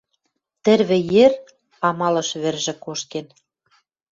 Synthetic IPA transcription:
t̪ɘ̆rβɘ̆jer | ɑmɑlɤ̆ʃβɘ̆rʒɘ̆koʃken

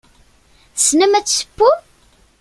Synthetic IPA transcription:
snəmæt͡sːsə̥pːu

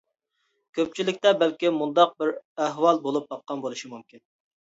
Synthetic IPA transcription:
kʲʰøp̚t͡ʃʰilɪk̚ʲt̪ɛbɛlkʲimund̪ɑq̚bɪɾæhwɑlˠbolˠup̚bɑqːɑnbolˠuʃimumkʲin

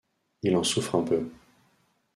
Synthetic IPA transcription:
ilɑ̃sufχɛ̃pø

